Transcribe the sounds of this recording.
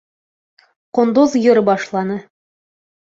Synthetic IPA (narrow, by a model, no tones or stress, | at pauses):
qŏnd̪ozjŏɾbɑʃlˠɑnɤ